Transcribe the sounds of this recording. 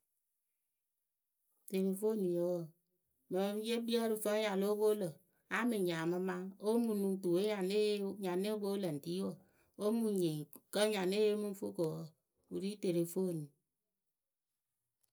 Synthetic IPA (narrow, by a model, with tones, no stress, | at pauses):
te˨ɾe˨fo˦ni˨o˨˦wɔ˨ | mə˨˦je˦bi˦ɔ˦ɾi˨fə˦ja˨lo˦bo˦lə˨ | a˦mi˨ɲa˨mə˦ma˦o˦mu˨nu˨tu˨e˦ja˨ne˦ɲa˨ne˦bo˦lə˨n̩˨ti˦o˦˨ | o˦mu˨ɲe˨kə˦ɲa˨ne˦je˦mu˦ɱ̩˦fo˦ko˨wɔ˦ | u˨ɾi˦te˨ɾe˨fo˦˨ni˨